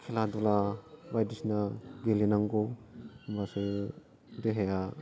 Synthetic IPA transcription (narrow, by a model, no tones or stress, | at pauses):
kʰeladɔlabajdisnaɡelinaŋɡɔbasɯ | deɦeja